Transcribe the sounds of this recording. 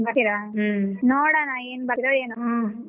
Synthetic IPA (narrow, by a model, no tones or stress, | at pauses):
bakiɾaɦnoːɽanaeːnbakid̪ɐeːnu